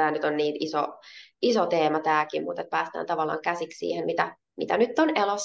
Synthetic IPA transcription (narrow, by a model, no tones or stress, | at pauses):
æːnyt̪onniːnisoisot̪eːmɑt̪æːkimmṵt̪et̪̚pæːst̪æ̰ːnt̪ɑʋɑlːˑɑ̰ːŋkæsikssḭːhemmit̪æ | mit̪ænyt̪ːonelosː